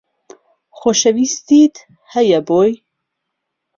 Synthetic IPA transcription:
xoːʃɐvist̪iːt̪ | hɐjɐboːj

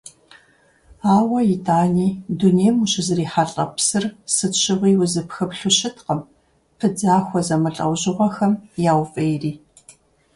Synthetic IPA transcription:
aːwɐjitʼaːniːduneːjmuɕɪzɨriːħaɬʼɐ̰psɨrsɨɕʰɪʁiːwʊzɨpxɨpɬʊɕɪtʰqəm | pʰɨd͡zaːxʷɔzɐmɨɬʼɐ̰wʑɨʁɐxɐmjaːwfʼeːjriː

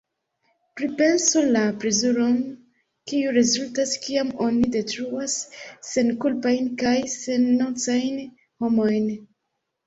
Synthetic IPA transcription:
pɾipe̞nsolapɾezuɾo̞n | kiuɾezultaskiamo̞nide̞tɾuasːe̞nkulpajnkajse̞nːot͡sajn | ho̞mo̞jn

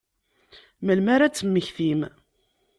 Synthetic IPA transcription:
məlmaɾat͡sːəmːəçθim

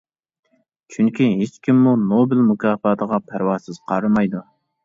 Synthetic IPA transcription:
t͡ʃʰyŋkʲiɦet͡ʃkʲimːunobɪlmukʰʲɑːfɑːt̪ʰəʁɑpʰæɾwɑsɪz̥qʰɑɾɨmɑjd̪u

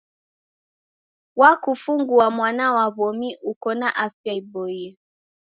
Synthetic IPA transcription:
wakufuŋɡuamwanawaβɔmiʔukɔnaʔafjaibɔjɛ

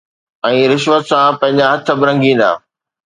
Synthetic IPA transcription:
ɛ̃ːɾɪʃʋət̪sãpɐ̃ɦɪ̃ɲd͡ʑaɦɐt̪ʰəbɪɾɐ̃ŋɡĩːnd̪a̰ː

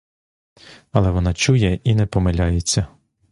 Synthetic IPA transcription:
ɐlˠɛʋɔnɑt͡ʃujɛinɛpɔmelʲajet͡sʲːɐ

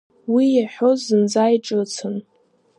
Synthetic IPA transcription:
wijaħʷozɨnd͡zajʈ͡ʂʼɨt͡sʰɨn

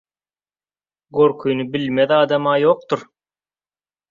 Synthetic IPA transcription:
ɡøɾkʰyjnybilmeðɑːd̪ɑmɑːjo̞ːq̚t̪uɾ

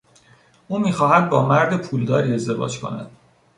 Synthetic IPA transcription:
ʔuːmiːxɒːɦæd̪̚bɒːmæɾd̪e̞pʰuːld̪ɒːɾiːe̞zd̪e̞vɒ̰ːd͡ʒkʰo̞̰næ̰d̪̥

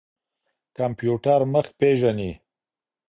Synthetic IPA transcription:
kampjuʈaɾməxk̚peʒani

